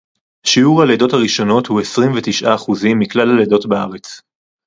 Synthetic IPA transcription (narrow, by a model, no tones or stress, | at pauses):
haʃiuʁhaledo̞thaʁiʃo̞no̞thue̞sʁimvetiʃʔaːχuzimːiklalaledo̞tbaaʁet͡s